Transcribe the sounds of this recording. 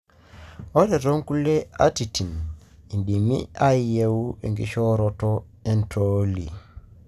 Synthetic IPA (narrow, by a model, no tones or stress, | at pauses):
ɔɾɛɾoŋkulɛa̰titin | indimḭʔaijewuḛŋɡḭʃɔɾɔtɔ | entʰolḭ